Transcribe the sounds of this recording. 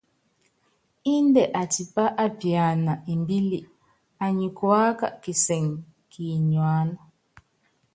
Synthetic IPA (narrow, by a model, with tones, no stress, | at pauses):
i˦ndɛ˨ʔa˨ti˨pa˦ʔa˦pja˨na˨i˨mbi˦li˨ | a˨ɲi˨kwa˦ka̰˨ʔki˨sɛ˨ŋ | kʰi˨ɲwaː˦na˨